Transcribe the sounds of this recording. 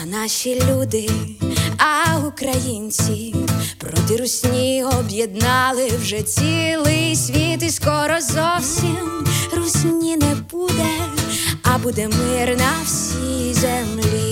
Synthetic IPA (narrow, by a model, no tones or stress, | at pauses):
ɐnɑʃilʲud̪ɪ | ɐukɾɐjinʲt͡sʲipɾɔt̪ɪɾusʲnʲijɦɔːbjed̪nɑlˠɪwʒɛt͡sʲilˠɪsʲʋʲit̪iskɔɾɔzɔwsʲimrusʲmnʲinɛbud̪ɛ | ɐbud̪ɛmɪrnɐwsʲijzɛmlʲi